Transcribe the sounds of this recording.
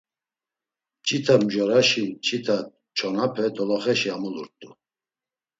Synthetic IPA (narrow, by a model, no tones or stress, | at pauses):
t͡ʃʼit̪ʰamʒɔɾaʃit͡ʃʼit̪ʰa | t͡ʃʰɔnapʰɛd̪ɔlɔχɛʃiamuluɾt̪ʼu